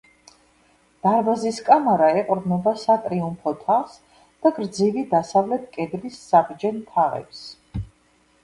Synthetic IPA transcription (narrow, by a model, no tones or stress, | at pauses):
d̪̥aɾbaziskʼamaɾaɛqʼɔɾbnɛbasat̪ʼɾiumpʰɔt̪ʰaχs | d̪̥aɡɾd̪zivid̪asavlɛt̪̚ʰkʼɛd̪lisːaʁd͡ʒɛnt̪ʰaʁɛ̰ps